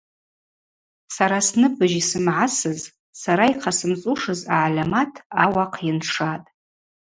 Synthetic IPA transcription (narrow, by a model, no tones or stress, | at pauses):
saɾasnɨbɨʒisɨmʕasɨz | saɾaiqʰasɨmt͡sʼuʂɨzaʕalamatʰawaqʰjɪnʂatʼ